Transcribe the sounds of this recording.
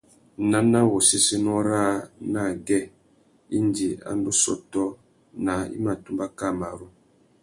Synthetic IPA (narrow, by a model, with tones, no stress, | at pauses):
na˦na˦wɔ˨se˦se˦nɔ˦ɾa˦˨na˦˨ɡɛ˦˨ | i˦n˦di˨a̰˨n˦du˦sɔ̰˨tɔ˦ | na˨ḭ˦ma˨tu˦mba˦ka˦˨ma˨ɾu˦